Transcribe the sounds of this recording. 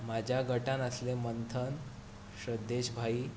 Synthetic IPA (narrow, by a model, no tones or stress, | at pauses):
mad͡ʑʱjaɡəʈãnəslemənt̪ʰən | ɕəd̪ːeɕbʱai